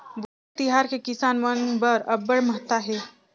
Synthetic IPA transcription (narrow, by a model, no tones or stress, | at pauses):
bo | t̪ɪɦaːɾkekɪsaːnʋɐnbəɾɐbːəɽmɐɦt̪ːaɦɛː